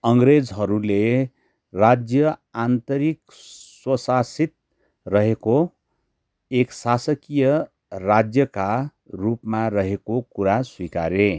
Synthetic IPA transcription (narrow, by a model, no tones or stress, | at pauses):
ʌŋɡɾed͡zɦʌɾule | rad͡zjʌant̪ʌɾik | swʌsasit̪̚ | rʌɦeko | eksasʌkijʌ | rad͡zjʌka | rupmaɾʌɦekokuɾaswika̰ɾe